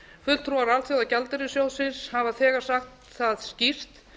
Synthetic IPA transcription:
fʏt̪lt̪ʰɾuaɾalθjowðacalt̪ʏɾɪsjowsɪshavaθɛːɣaɾ̥saxt̪ | θaðscir̥t̪

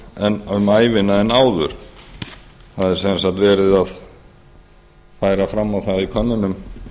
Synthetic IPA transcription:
ɛnʏmaːjvɪnaɛnaːwðʏ̰ɾ̥ | θaðɛɾ̥sɛnsakt̪vɛːɾɪðað | faːjɾafɾamːawθaðikʰœnːʏnʏm

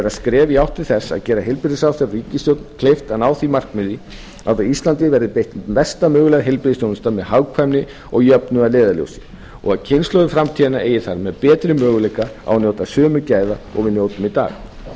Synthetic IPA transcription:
ɛɾaskɾɛːvɪawht̪ɪlθɛsːa̰ðcɛːɾaɦejlpɪɾɪsawθɛɾriːcɪst̪jowt̪nkʰlejft̪anaːwθimar̥kmɪði | awθaist̪lant̪ɪvɛɾðɪpejht̪vɛst̪amœːɣʏlɛɣɦelpɪɾɪsjownɪst̪amɛðɦawkʰvamnɪ | ɔɣjœpnʏaðleːðaljo̰wsɪ̥ | ɔ̰ɣaðcʰɪnslowðɪfɾamt̪ʰianaʔeːjɪθaɾmɛðpɛːt̪ɾɪmœːɣʏlejkaa̰wnjowt̪asœːmʏcaːjðaɔ̰ɣvɪðnjowt̪ʏmɪt̪a̰ːɣ

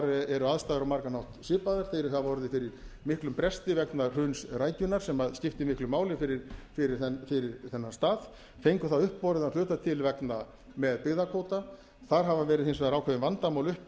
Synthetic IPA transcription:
ɾɛɾʏaðst̪aːðɾawmaɾkanawht̪sɪːpaðaɾ̥θejɾɪθaðvɔɾðɪfɪɾɪɾ̥mɪhklʏmpɾɛst̪ɪvɛknar̥œɥnsraːjcʏnːaɾ̥sɛmaðscɪft̪ɪmɪhklʏmaːwlɪfɪɾɪɾfɪɾɪɾ̥ɛfɪɾɪɾθɛnːḁst̪aːð | fejŋkʏθaʏhpːɔɾɪðanlʏːt̪at̪ʰɪlvɛkna | mɛðpɪɣðakʰoːwt̪a | θaɾ̥ɦavavɛːɾɪðhɪnsvɛðaɾaːwkʰɛvɪmvant̪amawlʏhp

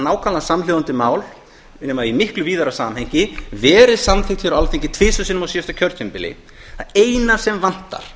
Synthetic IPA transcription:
naːwkʰalasamljowðant̪ɪmaːwl | nɛːmaimɪhklʏviːðaɾasaːmhejɲcɪvɛːɾɪsamθeŋt̪fiɾalθeɲcɪ̥t̪ʰvɪːsʏsɪnmasiʏst̪acʰœɾt̪ʰʏmpɪlɪ̰ | aeːjnḁsɛmvan̥t̪a̰ɾ̥

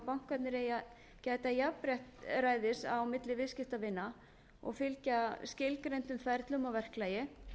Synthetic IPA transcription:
pawŋ̥kvat̪nɪɾeja | cɛːjt̪ajapɾjɛht̪raːjðɪsa̰wmɪt̪lɪvɪðscɪft̪avɪnːa | ɔ̰ɣfɪlcascɪlkɾejnt̪ʏmfajɾt̪lʏmavɛr̥klajɪ

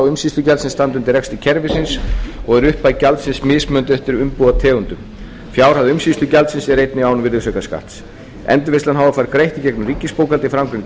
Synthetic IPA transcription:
wʏmsist̪ʏcalt̪sɪnst̪ant̪ʏnt̪ɪɾrɛkst̪ɪcʰɛɾvɪsɪnsɔɣɛɾʏhpːajcalt̪sɪnsmɪsmœnt̪ɛht̪ɪɾʏmpuat̪ʰɛːɣʏnt̪ʏm | fjaːwɾ̥haðɪʏmsist̪ʏcalt̪sɪnsɛɾejt̪nɪawnʏvɪɾðɪsœkaska̰ht̪s | ɛ̰nt̪ʏvɪnst̪anɦawvafaːɾkɾejht̪icɛknʏmriːcɪspoːwkalt̪ɪifɾamkɾɪnɪ

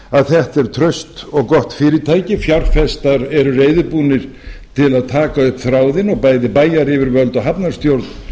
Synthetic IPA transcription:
aðθɛht̪ɛɾ̥t̪ʰɾœɥst̪ɔɣkɔht̪fɪːɾɪt̪ʰaːjcɪfjawɾ̥fɛst̪aɾɛɾʏreːjðɪpuːnɪɾ̥ | t̪ʰɪlaðt̪ʰaːkaʏhpθɾaːwðɪnɔɣpaːjðɪpaːjaɾɪvɪɾvœlt̪ɔɣɦapnaɾ̥st̪jowɾt̪n

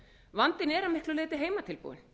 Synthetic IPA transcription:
vant̪ɪnɛɾamɪhklʏleːt̪ɪɦeːjmat̪ʰɪlpṵːwɪ̰n

